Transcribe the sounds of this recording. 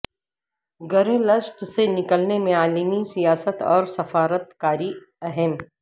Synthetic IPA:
ɡɐɾelɐʃʈsenɪkəlnemẽaːlimisijaːsət̪ɔːɾsɐfaːɾət̪kaːɾi | ɛɦɛm

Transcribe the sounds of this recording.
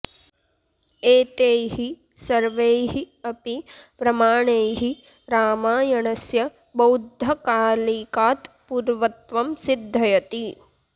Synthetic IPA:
eːt̪eːɦi | sɐɾʋeːɦi | ɐpipɾɐmaːɳeːɦi | ɾaːmaːjɐɳɐsjɐ | bɐwd̪ʱːɐkaːlikaːt̪ | puɾʋɐt̪ʋɐmsid̪ʱːɐjɐt̪i

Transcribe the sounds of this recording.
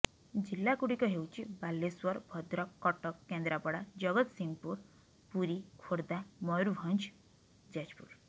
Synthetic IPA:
d͡ʒilːakuɽikɔɦewt͡ʃʰibalːeswɔɾbʱɔd̪ɾɔkːɔʈɔkːend̪ɾapɔɽad͡ʒɔɡɔt̪simpuɾ | puɾikʰoɾd̪amɔjɾubʱɔnt͡ʃʰ | d͡ʒad͡ʒpṵɾ

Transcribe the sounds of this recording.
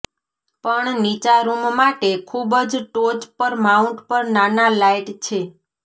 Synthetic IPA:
pəɳnit͡ʃaɾummaʈekʰubd͡ʒʈod͡ʒpəɾmauɳʈpəɾnanalaiʈt͡ʃʰe

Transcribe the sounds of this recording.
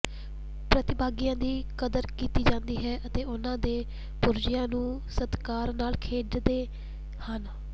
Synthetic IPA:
pɾət̪ɪbaːɡijãːd̪iːkəd̪əɾkiːt̪iːd͡ʒãːnd̪iːɦɛːʔət̪eːʊnãːd̪eː | pʊɾd͡ʒɪjãːnũː | səd̪kaːɾnaːlkʰeːɖd̪eː | hən

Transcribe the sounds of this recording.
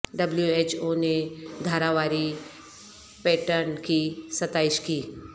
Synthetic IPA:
ɖɐbljueːt͡ʃoned̪ʱaːɾaʋaːɾi | pɛːʈəɾnkisɐt̪aːɪʃkiː

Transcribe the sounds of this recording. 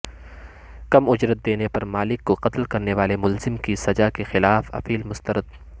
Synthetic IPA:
kɐmʊd͡ʒɾət̪̚d̪eːnepɐɾmaːlɪkːoqɐt̪lkɐɾneʋaːlemʊlzɪmkisɐd͡ʒakexɪlaːfɐ̰piːlmʊst̪əɾəd̪̚

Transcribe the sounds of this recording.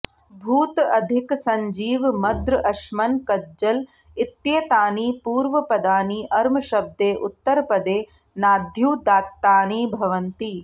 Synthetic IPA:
bʱuːt̪ɐd̪ʱiksɐɲd͡ʒiːʋmɐd̪ɾʔɐʃmɐnkɐd͡ʒɐl | it̪jet̪aːniːpuːɾʋɐpɐd̪aːniːʔɐɾmɐʃɐb̚d̪eːʔut̪ːɐɾpɐd̪eː | naːd̪ʱjuːd̪aːt̪ːaːniːbʱɐʋɐnt̪i

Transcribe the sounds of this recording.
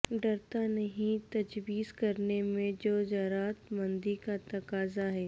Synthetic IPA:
ɖɐɾt̪anɐɦĩt̪ɐd͡ʒbiːskɐɾnemẽd͡ʒoːd͡ʒɐɾaːt̪mɐ̃nd̪ikat̪ɐkaːzaɦɛː

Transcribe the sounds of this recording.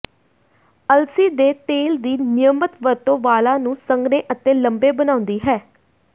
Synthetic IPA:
əlsiːd̪eːt̪eːld̪iːnɪjəmət̪ʋəɾt̪õːʋaːlãːnũːsəŋɡneːʔət̪eːləmbeːbənaːʊ̃nd̪iːɦɛː

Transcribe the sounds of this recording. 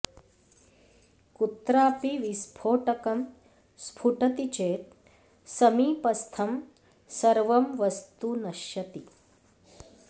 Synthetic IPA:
kut̪ɾaːpiʋispʰoːʈɐkɐm | spʰuʈɐt̪it͡ʃeːt̪̚ | sɐmiːpɐst̪ʰɐm | sɐɾʋɐmʋɐst̪unɐʃjɐt̪i

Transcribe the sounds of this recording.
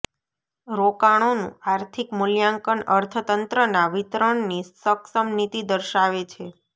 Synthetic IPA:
ɾokaɽ̃onṵ̃aɾt̪ʰikmuljãŋkəɳəɾt̪ʰət̪ənt̪ɾənaʋit̪ɾəɳnisəksəmnit̪id̪əɾʃaʋet͡ʃʰe

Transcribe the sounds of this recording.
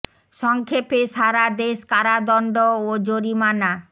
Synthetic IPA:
ʃɔŋkʰepeʃaɾad̪eʃkaɾad̪ɔɳɖood͡ʑoɾimana

